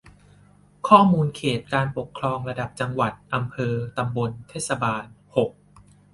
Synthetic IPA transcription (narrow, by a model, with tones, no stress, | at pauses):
kʰɔː˥˩muː˧nkʰeː˨˩t̪̚kaː˧npo˨˩kʰɾɔː˧ŋɾa˧da˨˩p̚t͡ɕa˧ŋwa˨˩t̪̚ʔa˧mpʰɤː˧t̪a˧mbo˧nt̪ʰeː˥˩t̪̚sa˧baː˧nho˨˩k̚